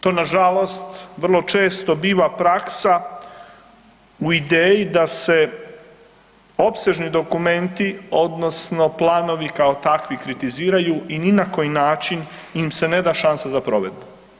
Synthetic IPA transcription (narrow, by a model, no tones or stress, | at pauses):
t̪o̞ːnaʒalˠo̞st̪ʋr̩lˠo̞t͡ʃe̞ːst̪o̞biːʋapɾaksa | uid̪eːjid̪ase̞ | o̞pse̞ʒnid̪o̞kume̞nt̪io̞d̪no̞sno̞plˠaːno̞ʋikao̞t̪akʋikɾit̪iziːɾajuininako̞jinaːt͡ʃin | imse̞ne̞d̪aʃansazapɾo̞ʋe̞d̪u